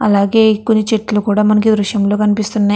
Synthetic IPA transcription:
ɐ̰laːɡe̞ːkonːit͡ʃeʈːlukuːɽaːmɐnɐk̬id̪ɾuʂjɐmlo̞ːkɐnipist̪unːa

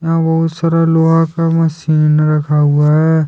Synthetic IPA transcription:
jɐɦãbɐɦʊt̪saːɾaloːɦãkamɐsiːnɾɐkʰaɦʊaɦɛː

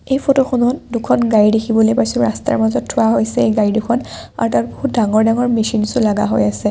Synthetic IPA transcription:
ejpʰotoxɔnɔtdukʰɔnɡajidekʰibɔlojpajsʊɹasta̰ɹmazɔtʰːʊwaɦojsɛejɡaidukʰɔna̰ɹtaɹboɦut̚daŋɔɹdaŋɔɹmisinsʊlaɡa̰ɦojasɛ

